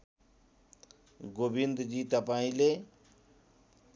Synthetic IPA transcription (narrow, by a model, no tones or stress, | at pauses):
ɡoːbind̪d͡ʑiːt̪ɐpaːĩle